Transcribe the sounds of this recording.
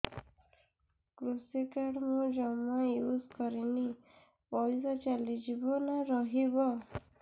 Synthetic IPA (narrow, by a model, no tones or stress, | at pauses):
kɾusikaɽmɔ̃d͡ʒɔmajuzkɔɾini | pɔzat͡ʃalid͡ʒibɔnaɾɔɦibɔ